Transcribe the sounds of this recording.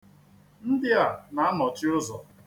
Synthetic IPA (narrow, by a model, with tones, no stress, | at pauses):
n̩˦dɪ˦a˨na˨a˦mɔ˨t͡ʃɪ˦ʊ˦zɔ˨